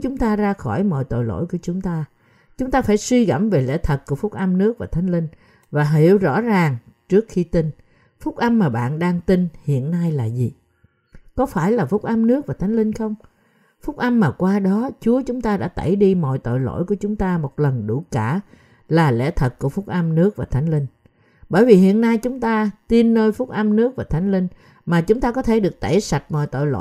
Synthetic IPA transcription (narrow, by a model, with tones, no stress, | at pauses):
t͡ɕʊ˨˦ŋ͡mt̪aː˧zaː˧xɔ˧˩jmɔ̰˧˨jt̪o̰˧˨jlo̰˧˥˨jku˧˩ət͡ɕʊ˨˦ŋ͡mt̪aː˧ | t͡ɕʊ˨˦ŋ͡mt̪aː˧faː˧˩jswi˧ɣə̰˧˩mve˨˩lɛ̰˧˥t̪ʰə˨˩t̚ku˧˩əfʊ˦˥k͡p̚ʔa˧mnɨ˦˥ək̚vaː˨˩t̪ʰjŋ̟lï˧ŋ̟ | vaː˨˩ɦi˧˩əwzɔ̰˧˥zaː˨˩ŋt͡ɕɨ˦˥ək̚xi˧t̪i˧n | fʊ˦˥k͡p̚ʔa˧mːaː˨˩ɓa̰ː˧˨nɗaː˧ŋt̪i˧nhḭ˧˨ənːa˧jlaː˨˩zi˨˩ | kɔ˨˦faː˧˩jlaː˨˩fʊ˦˥k͡p̚ʔə˧mnɨ˦˥ək̚vaː˨˩t̪ʰa˨˦jŋ̟lï˧ŋ̟xə˧wŋ͡m | fʊ˦˥k͡p̚ʔa˧mːaː˨˩kwaː˧ɗɔ˨˦t͡ɕu˨˦ət͡ɕʊ˨˦ŋ͡mt̪aː˧ɗa̰ː˧˥t̪ə˧˩jɗi˧mɔ̰˧˨jt̪o̰˧˨jlo̰˧˥˨jku˧˩ət͡ɕʊ˨˦ŋ͡mt̪aː˧mo˨˩t̚lə˨˩nɗu˧˩kaː˧˩ | laː˨˩lɛ̰˧˥t̪ʰə˨˩k̚ku˧˩əfʊ˦˥k͡p̚ʔə˧mnɨ˦˥ək̚vaː˨˩t̪ʰa˨˦jŋ̟lï˧ŋ̟ | ɓəː˧˩jvi˨˩ɦḭ˧˨ənːa˧jt͡ɕʊ˨˦ŋ͡mt̪aː˧t̪i˧nːəː˧jfʊ˦˥k͡p̚ʔa˧mnɨ˦˥ək̚vaː˨˩t̪ʰa˨˦jŋ̟lï˧ŋ̟ | maː˨˩t͡ɕʊ˨˦ŋ͡mt̪aː˧kɔ˨˦t̪ʰe˧˩ɗɨ˨˩ək̚t̪e˧˩sa˨˩t̚mɔ̰˧˨jt̪o̰˧˨jlo̰˧˨